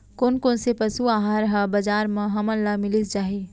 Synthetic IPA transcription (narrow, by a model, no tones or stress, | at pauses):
koːnkoːnsepɐsuaːɦaːɾɦabɐd͡ʒaːɾmə̃ɦɐməllamɪlisd͡ʒaːɦi